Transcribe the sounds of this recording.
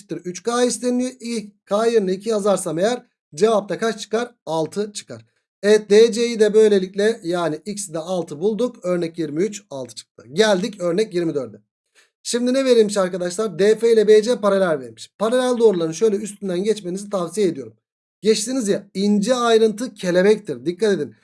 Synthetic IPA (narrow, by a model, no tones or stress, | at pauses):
t̪ːiɾyt͡ʃkʰaːislʲenijoʔickʰaːjɯɾnˠɯicʰiazaɾsame̞jæɾ | d͡ʒe̞vap̚t̪ʰakat͡ʃt͡ʃʰɯ̥kaɾalˠt̪ʰɯt͡ʃʰɯ̥ka̰ɾ̥ | ɛɛt̪̚d̪eːd͡ʒejid̪ɛbø̞jlʲe̞lʲiclʲɛjaːniicsd̪ɛalˠt̪ʰɯbulˠd̪ukø̞ɾnɛcjiɾmiyt͡ʃalˠt̪ʰɯ̥t͡ʃʰɯ̥k̚t̪ʰɯɟælʲd̪icø̞ɾnɛcjiɾmid̪øɾd̪ɛ | ʃimd̪inɛve̞ɾilmiʃaɾkad̪aʃlˠaɾd̪eːfejlʲɛbejd͡ʒɛpaɾalʲælʲveɾmiʃpʰaɾalʲælʲd̪o̞ːɾulˠaɾɯnʃø̞jlʲɛyst̪ʰynd̪ænɟɛt͡ʃme̞nizit̪ʰavsijeːd̪ijo̞ɾum | ɟɛt͡ʃt̪inizjaind͡ʒɛajɾɯnt̪ʰɯcʰe̞lʲe̞mɛct̪ʰiɾd̪ikʰːat̪e̞d̪in